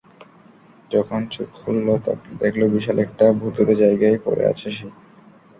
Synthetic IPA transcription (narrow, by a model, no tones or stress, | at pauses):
d͡ʑɔkʰont͡ɕukholːot̪d̪ekʰlobiʃalɛk̚ʈabʱut̪uɾed͡ʑajɡajpo̰ɾḛa̰t͡ɕʰeʃi